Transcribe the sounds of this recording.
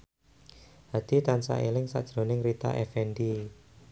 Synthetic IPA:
had̪̥i̤t̪ansa̰ʔelɪŋsa̰d̥ʒ̥ɾo̤nɪŋrit̪a̰ʔɛfɛndi

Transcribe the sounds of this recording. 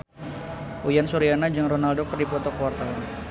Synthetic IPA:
ʔujansuɾianad͡ʒɨŋronaldokərdipɔt̪ɔkəwart̪awan

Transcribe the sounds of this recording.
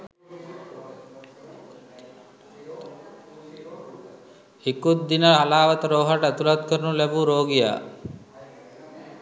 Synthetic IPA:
hikut̪̚d̪inəɾalaːʋat̪əɾoːɦaʈəɛt̪ulat̪kəɾnulɛbuɾoːɡija̰ː

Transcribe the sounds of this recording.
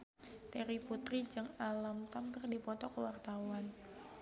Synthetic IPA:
t̪eɾiput̪ɾid͡ʒɨŋalamt̪ampɪrdipɔt̪ɔkəwart̪awan

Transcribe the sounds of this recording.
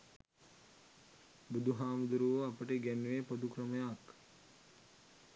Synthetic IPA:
bud̪ʱuɦaːmud̪uɾuʋəapəʈəɡænʋepod̪ukrəməjak

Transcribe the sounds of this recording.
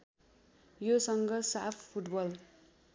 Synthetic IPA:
josʌŋɡʌsapʰpʰːuʈbʌl

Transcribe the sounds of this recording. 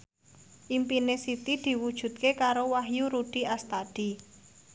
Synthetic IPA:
ʔimpinesit̪id̪̥i̤wud̥ʒ̥ṳt̪̚kekaɾowaɦjuɾuɖ̥i̤ast̪ad̪̥i

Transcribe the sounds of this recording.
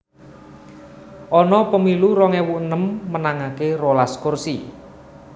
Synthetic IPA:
ʔɔnɔpəmiluɾɔŋɛwuʔənəmːənaŋakerolaskʊrsi

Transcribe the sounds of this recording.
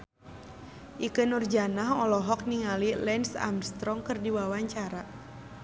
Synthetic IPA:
ʔikənurd͡ʒanaɦɔlɔɦɔk̚niŋalilɛnsa̰mst̪ɾɔŋkɨrdiwawaɲt͡ʃaɾa

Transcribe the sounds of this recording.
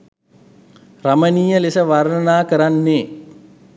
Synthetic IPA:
raməniːjəlisəʋaɾnənaːkəɾanːeː

